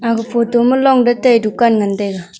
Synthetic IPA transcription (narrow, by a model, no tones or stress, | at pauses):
akəfotoməlɔŋdətajdukːanŋənteka